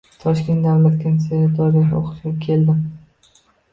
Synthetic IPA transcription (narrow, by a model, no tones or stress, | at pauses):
t̪ʰɒʃkʲe̞nt̪d̪avlat̪kʲʰansejd̪ɒɾɪjao̰qɨ̥ʃɡʲakʲʰe̞ld̪ɪm